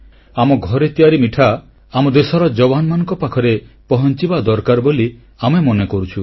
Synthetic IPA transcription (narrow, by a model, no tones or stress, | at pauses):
amɔɡʱɔɾet̪iaɾimiʈʰa | amɔd̪esɔɾɔd͡ʒɔbanmanɔ̃ŋkɔpakʰɔɾepɔɦɔnt͡ʃibad̪ɔɾkaɾboli | amemɔnekɔɾut͡ʃʰu